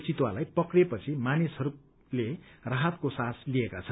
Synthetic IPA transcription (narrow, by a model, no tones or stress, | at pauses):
t͡sit̪walajpʌkrepʌt͡sʰimanisɦʌɾu | leraɦat̪̚kosaslijekat͡sʰʌn